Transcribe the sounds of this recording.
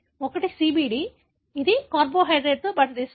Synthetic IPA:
ɔkɐʈisiːbiːɖi | id̪ikaːɾboːɦɐjɖɾeːɖ̚t̪oːbɐʈːɐd̪iːs

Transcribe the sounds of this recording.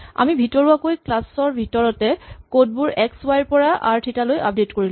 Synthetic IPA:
a̰mibʱitɔɹuakojklasɔɹbʱitɔɹɔtɛkod̚buɹɛkswajɹpɔɹaʔa̰ɹtʰitalojap̚detkoɹil

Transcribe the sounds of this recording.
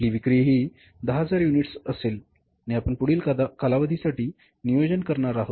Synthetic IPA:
liːʋikɾiɦiː | d̪əɦad͡zaɾjuniʈsəsel | aniapəɳpuɽ̤iːlkalaʋəd̪ʱisaʈiː | nijod͡ʑənkəɾɳaɾaɦot̪

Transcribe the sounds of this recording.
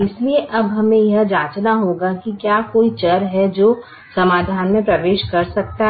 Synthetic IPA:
ɪslieʔɐbɦɐmẽjɐɦd͡ʒaːt͡ʃnaɦoːɡakikjaːkoːit͡ʃɐɾɦɛd͡ʒoː | sɐmaːd̪ʱaːnmẽpɾɐʋeːʃkɐɾsɐk̚t̪a

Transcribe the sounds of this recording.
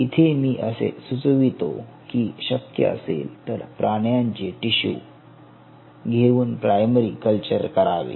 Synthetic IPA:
it̪ʰemiːʔəsḛsut͡sʋit̪o̰ | kiːɕəkjə̰ə̰sḛlt̪əɾpɾʔaɽ̃jaɲt͡ɕeʈiɕṵː | ɡʱeʋuːnpɾajməɾikəlt͡ɕəɾkəɾaʋḛ

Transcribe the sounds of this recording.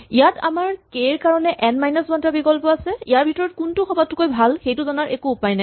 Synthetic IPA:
ijata̰maɹkeɹkaɹɔnɛʔɛnmajnɔsbɔntabikɔlpɔasɛijaɹbʱitɔɹɔt̚kuntʊxɔbatːʊkojbʱalxejtʊzɔnaɹʔekuːpajnaj

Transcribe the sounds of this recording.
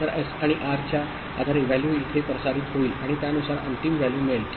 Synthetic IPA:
əɾesaɽ̃iʔaɾt͡ɕja | ad̪ʱaɾeʋæljuːit̪ʰepɾəsaɾiːt̪ɦoiːlaɽ̃it̪janusaɾə̰nt̪imʋæljuːmel

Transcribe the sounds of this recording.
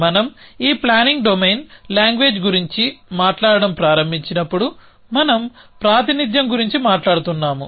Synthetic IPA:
mɐnɐmiːplaːniŋɡɖomejnlaːŋɡʋe̞ːd͡ʒɡuɾiɲt͡ʃimaːʈlaːɽɐɽɐmpɾaːɾɐmbʱiɲt͡ʃinɐpːuɽu | mɐnɐm | pɾaːt̪inid̪jɐmɡuɾiɲt͡ʃimaːʈlaːɽut̪unːaːmṵ

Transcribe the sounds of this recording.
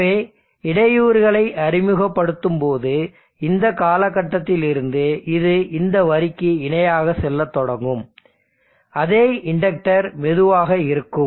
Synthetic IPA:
eː | ɪɽɐjuːɾɣɐɭɐɪʔɐɾɪmɯɣɐpːɐɽɯt̪ːɯmpoːðɯ | ɪnd̪ɐkaːlɐkːɐʈːɐt̪ːɪlɪɾɯnd̪ɯɪðɯʔɪnd̪ɐʋɐɾɪkːɯɪɳɐjaːɣɐsɛlːɐt̪ːɔɽɐŋɡɯm | ɐðeːɪɳɖɐk̚ʈɐɾmɛðɯʋaːɣɐɪɾɯkːɯ

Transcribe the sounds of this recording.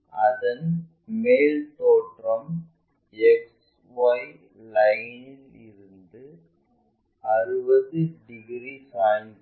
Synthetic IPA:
ɐðɐn | meːlt̪oːʈrɐm | ɛks | ʋɐj | lɐjnɪl | ɪɾɯnd̪ɯ | ɐɾɯbɐðɯɖɪɡɾisaːn

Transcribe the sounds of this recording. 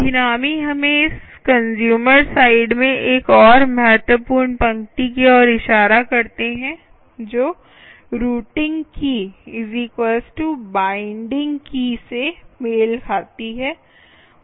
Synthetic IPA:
d̪ʱɪnaːmiɦɐmẽɪs | kɐ̃nzjuːməɾsaːɪɖmẽʔeːkɔːɾmɛːʈəpuːnpɐ̃ŋkʈik̬iɔːɾɪʃaːɾakɐɾt̪eɦɛ̃ | d͡ʒoː | ɾuːʈɪ̃ŋɡkiɪzikwəːsʈubãːɪ̃ɳɖɪ̃ŋɡkisemeːlkʰaːt̪iɦɛː

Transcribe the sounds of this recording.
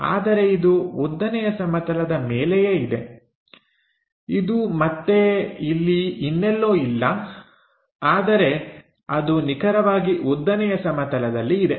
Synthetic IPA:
a̰ːd̪ɐɾe̞id̪uud̪ːɐnɛjɐsɐmɐt̪ɐlɐd̪ɐmeːlɛjeid̪e | id̪umɐt̪ːe̞ilːiinːɛlːo̞ːilːɐ | aːd̪ɐɾe̞ | ɐd̪unikʰɐɾɐʋaːɡiud̪ːɐnɛjɐsɐmɐt̪ɐlɐd̪ɐlːiːd̪e̞

